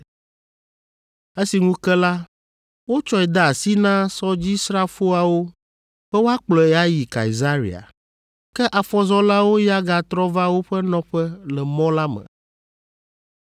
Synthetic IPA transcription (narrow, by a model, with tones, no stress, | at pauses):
e˦si˨ŋũ˦kɛ˦la˦ | wo˦t͡ʃɔ˦ɛ˨d̪a˨a˨si˦nã˦sɔ˦d͡ʑi˦sɾa˦fo˦a˨wo˦ | ɸɛ˦wo˦a˦k͡plɔ˨ɛ˨a˦ji˨ka̰˨i˨za˦ɾḭ˨a̰˨ | kɛ˦ʔa˨fɔ˦zɔ˦la˦wo˦ja˦ɡa˨t̪ɾɔ˦va˦wo˦ɸɛ˦nɔ̃˦ɸɛ˦lɛ˨mɔ̃˦la˦mɛ̰̃˨